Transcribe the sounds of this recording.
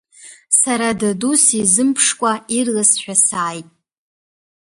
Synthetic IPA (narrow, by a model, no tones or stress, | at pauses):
saɾadadusizɨmpʰʂkʷʼairlasħᶣasaːjtʼ